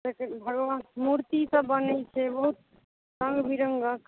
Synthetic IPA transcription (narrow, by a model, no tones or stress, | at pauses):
ekbʱəɡʋamuɾt̪isəbːənət͡ʃʰɛbəɦut̪̚ | sə̃ŋɡbʱiɾəŋɡak